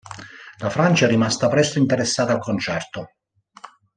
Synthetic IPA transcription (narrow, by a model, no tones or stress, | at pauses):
lafɾant͡ʃaɛrimast̪apɾɛst̪oint̪ɛɾesːaːt̪alkont͡ʃɛrt̪o